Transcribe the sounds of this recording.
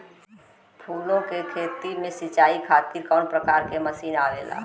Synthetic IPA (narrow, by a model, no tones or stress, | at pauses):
pʰuːlõkekʰeːt̪imẽsɪt͡ʃaːikʰaːt̪iːɾkɔːnpɾəkaːɾkeməsiːnaːʋeːla̰ː